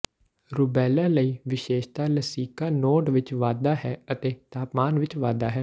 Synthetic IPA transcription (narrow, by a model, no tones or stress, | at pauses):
ɾʊbɛːlãːləiːʋɪʃeːʃt̪aːləsiːkaːnoːʈʋɪt͡ʃʋaːd̪aːɦɛːət̪eːt̪aːpmaːnʋɪt͡ʃʋaːd̪aːɦɛː